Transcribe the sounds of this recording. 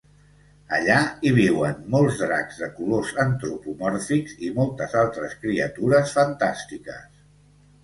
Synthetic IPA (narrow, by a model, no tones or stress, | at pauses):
əʎaiβ̞iwənmɔlˠzðɾa̰ɡzðəkulozənt̪ɾupumɔɾfikz̥imɔlˠt̪əzalˠt̪ɾəskɾiət̪uɾəsfənt̪ast̪ikə̰s